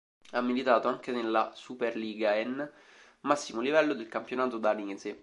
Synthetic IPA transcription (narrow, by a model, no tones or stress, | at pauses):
amːilit̪aːt̪oaŋkenelːasuperliːɡaɛn | masːimolivɛlːod̪elkampjonaːt̪od̪anize